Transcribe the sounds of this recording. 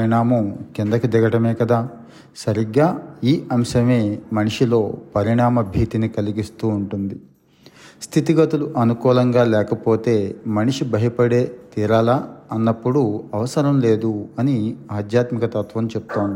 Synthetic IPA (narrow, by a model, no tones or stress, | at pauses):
ɾiɳaːmɐmkind̪ɐkid̪ɛɡɐʈɐme̞ːkɐd̪aː | sɐɾiɡaːiːʔɐmʃɐme̞ːmɐniʂilo̞ːpɐɾiɳaːmɐbʱiːt̪inikɐliɡist̪uːuɳʈund̪i | st̪ʰit̪iɡɐt̪uluʔɐnukuːlɐŋɡaːlɛːkɐpo̞ːt̪e̞ːmɐniʂibɐɦɐpɐɽe̞ːt̪iːɾaːlaɐnːɐpːuɽuɐʋɐsɐɾɐmle̞ːd̪uɐniaːd̪ʱjaːt̪mikɐt̪ɐt̪ʋɐmt͡ʃepu̥t̪oːnd̪i